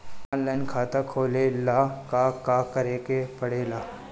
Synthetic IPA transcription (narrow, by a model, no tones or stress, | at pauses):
ãːnlaːɪnkʰaːt̪akʰoːlelakakakɐɾeːkepɐɽeːlaː